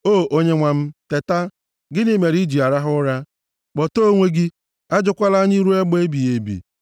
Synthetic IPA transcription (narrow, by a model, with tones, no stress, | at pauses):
o˦˨ʔo˦ɲe˦ŋʷa˨m̩˦te˨ta˦ | ɡɪ˦nɪ˦me˨ɾi˦d͡ʒi˨a˨ɾa˦ɦʊ˦ɾa˦ | k͡pɔ˨to˦ŋʷe˦ɡɪ˦ | a˦d͡ʒʊ˦kʷa˦la˦ɲi˦ɾu˦e˦ɡ͡be˦bi˨je˨bḭ˨